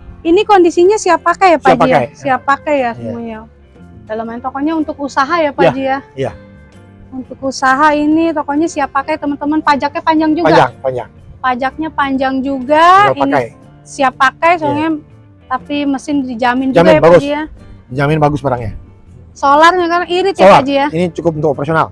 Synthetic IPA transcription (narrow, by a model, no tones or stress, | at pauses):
inikondisiɲasiapːakajapad͡ʒiasiapːakajasəmuja | dalamaint̪okɔɲaunt̪ʊkusaɦajapad͡ʒijaja | unt̪ʊkusaɦainit̪ɔkɔɲasiapːakajt̪əmənt̪əmənpad͡ʒak̚ɲapaɲd͡ʒaŋd͡ʒuɡaaŋpaɲd͡ʒa̰ŋ | pad͡ʒak̚ɲapaɲd͡ʒaŋd͡ʒuɡaianaj | siapːakajsaŋɲa | t̪apiməsɪndid͡ʒamɪnd͡ʒuamɡjabaɡd͡ʒiadid͡ʒamɪnbaɡʊsbaɾaŋɲa̰ | solarɲakarʔiɾɪt̪̚jaaad͡ʒijainit͡ʃukʊp̚unt̪ʊkopɾasiona̰l